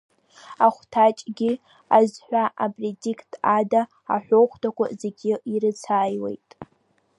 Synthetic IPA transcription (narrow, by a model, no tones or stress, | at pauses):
aχʷtʰat͡ʃʼɡʲɪ | azħᶣʷaʔabredikʰtʰada | a̰ħʷᶣoχʷtʰakʷʰa̰ze̞ɡʲɪiɾɨt͡sʰaːjwe̞̰jtʼ